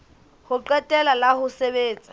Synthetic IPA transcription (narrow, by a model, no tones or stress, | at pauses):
hʊǃɛtʼɛlalahʊsebeːt͡sʼḁ